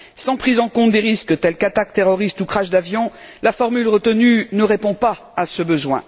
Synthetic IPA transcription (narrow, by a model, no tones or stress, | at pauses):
sɑ̃pχizɑ̃kɔ̃t̪̚d̪eʁiskt̪ɛlkat̪ak̚t̪eʁɔʁist̪ukχaʃd̪avjɔ̃lafɔʁmylʁət̪ənynəʁepɔ̃pa | asəbəzwɛ̰̃